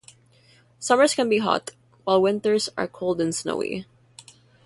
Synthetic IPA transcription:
sʌmə˞z̥kɛ̃nbiɦɔ̰t | waɪlˠwɪ̃nt̪ə˞zə̰ɹkʰoʊlˠdɨ̃nsno̰ʊḭ

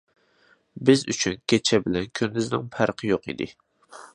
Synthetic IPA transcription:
bɪzy̰t͡ʃʰynkʲʰet͡ʃʰɛbɪlɛnkʲʰønːɪznɪŋpʰæɾqʰɨjoqḭd̪ɪ̰

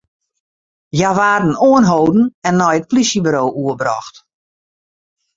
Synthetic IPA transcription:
jaʋaːdn̩oənɦowdn̩ɛnːɔjət̚plisjəbɾoːʔuəbɾɔ̰xt

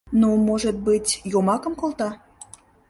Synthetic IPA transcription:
numoʒət̪̚bɨtʲjomɑkəmkolt̪ɑ

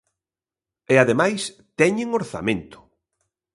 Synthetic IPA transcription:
ɛaðemajs | t̪ɛɲeŋoɾθa̰mẽnt̪ʊ̥

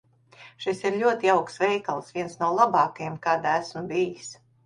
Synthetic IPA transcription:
ʃisiɾʎʲuɔt̪iawksʋɛjkalˠsvʲiɛnsnuɔlˠabɑːkajɛmkaːd̪aæsmbijis

